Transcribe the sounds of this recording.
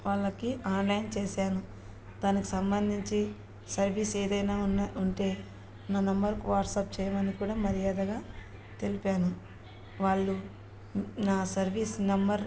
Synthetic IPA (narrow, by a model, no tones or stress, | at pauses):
ʋaːɭːɐkiaːnlɐjnt͡ʃeːsaːnu | d̪aːniki̥sɐmbɐnd̪ʱiɲt͡ʃi | sɐɾʋiːseːd̪ɐjnaːnuɳʈe̞ː | naːnɐmbɐɾkuʋaːʈsɐp̚t͡ʃɛːjɐmɐnikuːɽaːmɐɾijaːd̪ɐɡaː | t̪e̞lipaːnu | ʋaːɭːu | naːsɐɾʋiːsnɐmbɐɾ